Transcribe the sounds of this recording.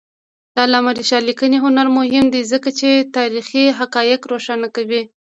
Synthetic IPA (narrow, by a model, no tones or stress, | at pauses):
d̪̥ɑlamaɾiʃɑlikəneɦʊnaɾmʊhɪmd̪izəkat͡ʃet̪ɑɾixiɦakɑjɪkɾoʃanakawi